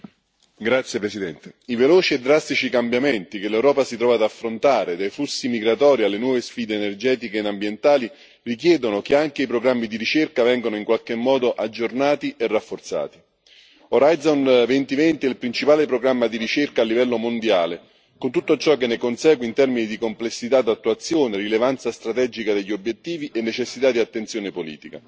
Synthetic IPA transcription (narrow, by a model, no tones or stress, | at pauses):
ɡɾat̪sjepɾesid̪ɛnt̪eivelɔːt͡ʃiɛd̪ːɾast̪it͡ʃikambjamɛnt̪ikelːɛwɾɔːpasit̪ɾɔːvad̪afːɾont̪aːɾed̪ajflusːimiɡɾat̪ɔːɾialːenwɔːvesfiːd̪eːnerd͡ʒɛːt̪ikenambjent̪aːli | rikjɛːd̪onokeaŋkeipɾoɡɾamːid̪iɾit͡ʃerkavɛŋɡonoiŋkwalk̟emːɔːd̪oʔad͡ʒːornaːt̪iʔerːafːort̪sa̰ːt̪i̥ | oɾaj̪zonvent̪ivɛnt̪iilpɾint͡ʃipaːlepɾoɡɾamːad̪iɾit͡ʃerkaːlːivɛlːomond̪jaːle | kont̪ut̪ːot͡ʃɔkːenːekonsɛːɡweint̪ɛrminid̪ikomplesːit̪ad̪ːat̪ːuat̪sːjoːnerilevant̪sast̪ɾat̪ɛd͡ʒikad̪eʎːiobːjet̪ːiːviʔenːet͡ʃesːit̪ad̪iat̪ːent̪sjoːnepolḭːt̪ika̰